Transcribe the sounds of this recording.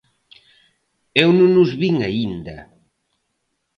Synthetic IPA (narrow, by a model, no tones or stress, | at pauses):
ewnũŋnːuzβiŋaind̪ɐ̰